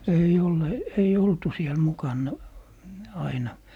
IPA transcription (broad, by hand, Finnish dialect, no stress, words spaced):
eij ole ei oltu siel mukɑnːɑ ɑinɑ